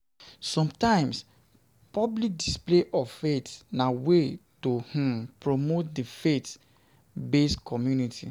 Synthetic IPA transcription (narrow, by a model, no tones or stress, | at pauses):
sɔ̃mtãɪ̃ms | pɔblik̚displeʔɔvfetnawetoh̩pɹomot̚difet | beskɔmjunitʰḭ